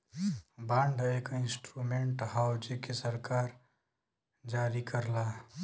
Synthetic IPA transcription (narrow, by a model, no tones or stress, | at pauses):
bãɳɖʱekɪ̃nsʈɾumeɳʈɦawd͡ʒekesəɾkaːɾ | d͡ʒaːɾikəɾla